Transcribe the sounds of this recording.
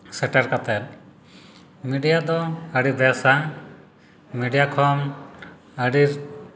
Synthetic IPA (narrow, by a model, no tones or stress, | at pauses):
sɛʈɛɾkat̪ɛɾ | miɖijad̪ɔəɽibɛsa | miɖijakʰɔm | əɖiɾ